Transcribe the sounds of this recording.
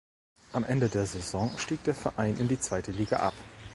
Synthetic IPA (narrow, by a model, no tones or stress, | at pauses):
ʔamʔɛndədeːɐzezɔ̃ŋʃtiːk̚d̥eːɐfɛɐʔaɪnʔɪndiːt͡sv̥aɪtəliːɡa̰ʔa̰p